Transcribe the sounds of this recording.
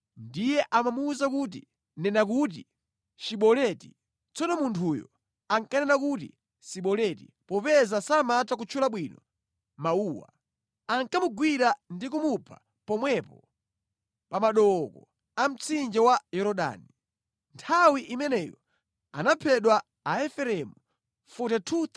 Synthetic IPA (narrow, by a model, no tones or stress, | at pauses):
ndijɛʔamamuːzakut̬i | nɛnak̬ut̬ḭ | t͡ʃiɓɔlɛti | t͡sɔnɔmuntʰujɔ̰ | aŋkanɛnakuti | siɓɔlɛtḭ | pɔpɛzasamatakut͡ʃʰulaɓwinɔ | mauːwa̰ | aŋkamuɡwiɾandikumupʰa̰ | pɔmwɛpɔ | pamaɗɔkɔ | am̩t͡sʰind͡ʒawajɔɾɔɗa̰ni | ntʰawiʔimɛnɛjɔ̰ | anapʰɛɗwaː | ɛfɛɾɛmu | futɛtʰut̪ʰ